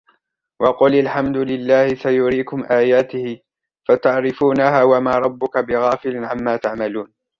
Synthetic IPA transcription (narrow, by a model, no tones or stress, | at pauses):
wʔɑqʊlalħamd̪ʊlɪlːaːhɪsajʊɾiːkʊmʔaːjaːt̪ɪhɪ | fat̪aʕɾɪfuːnahaːwamaːɾˤɑbːʊkabɪɣaːfɪlɪnʕamːaːt̪aʕmaluːn